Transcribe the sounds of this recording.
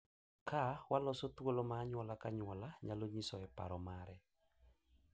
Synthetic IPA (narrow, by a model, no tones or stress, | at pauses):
kawalɔsot̪wolomaːɲwɔlakaɲwɔlaɲaloɲisɔɛpa̰ɾɔmaɾɛ